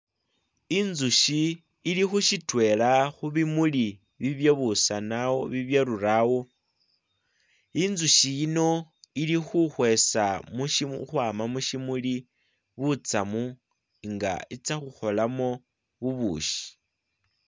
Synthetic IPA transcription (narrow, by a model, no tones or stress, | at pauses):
inzuʃiː | lixuʃitwe̞laxuβimuli | βiβjeβusanawoβiβjaɾuɾawo̞ | inzuʃijino̞ilixuxwe̞samuixwaːmamuʃimuli | βut͡samu | ŋɡa̰it͡saxuxo̞lamo̞ | βuβṵːʃi̥